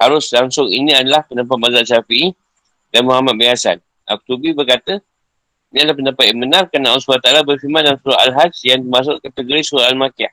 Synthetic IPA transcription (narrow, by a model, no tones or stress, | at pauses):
haɾʊslaŋsʊŋinĩadalahpəndap̬at̪̚mazaʔsafii | d̥anmuhamat̪̚bajasan | ʔak̚t̪ubibərkat̪ə | inĩadəlahpəndapat̪̚janmbənãrkanaalsbalat̪alabərfimandansuɾaalɦad͡ʒjaŋt̪əmas̬ʊʔkat̪əɡoɾisuɾaʔalmãkiah